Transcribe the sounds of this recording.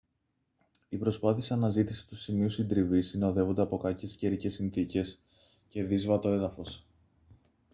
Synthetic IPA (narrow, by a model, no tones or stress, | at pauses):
ipɾo̞spɐθiesɐnɐzit̪ise̥t̪u̥simiusind̪ɾivisino̞ðe̞vo̞nd̪e̞ɐpo̞kɐce̞sce̞ɾice̞sinθice̞s | ce̞ðizvɐt̪o̞e̞ðɐfo̞s